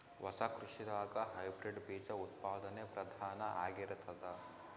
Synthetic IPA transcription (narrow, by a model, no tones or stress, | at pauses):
ʋɐsɐkɾuʂiɾaːɡɐɦɐjbɾiɖbiːd͡ʒɐut̪paːd̪ɐnepɾɐd̪ʱaːnɐʔa̰ːɡiɾt̪ʰɐd̪ɐ